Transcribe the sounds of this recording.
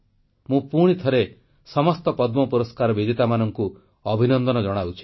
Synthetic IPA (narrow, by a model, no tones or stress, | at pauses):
mũpuɽ̃it̪ʰɔɾe | sɔmɔst̪ɔpɔd̪mɔpuɾɔskaɾɔbid̪it̪amanɔŋku | ɔbʱinɔnd̪ɔnɔd͡ʒɔɽ̃awt͡ʃʰi̥